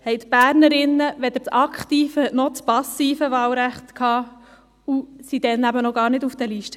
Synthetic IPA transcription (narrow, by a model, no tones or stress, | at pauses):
hɛɪt̪b̥æːɾnəɾɪnːəʋɛd̪əɾt͡sɑkχt̪iːfənɔt͡spɑsːiːfəʋɑːlɾæχt̪kʰhɑː | usid̥̪ɛnæbənɔɡɑːɾnɪdufd̥̪əliːʃtə̥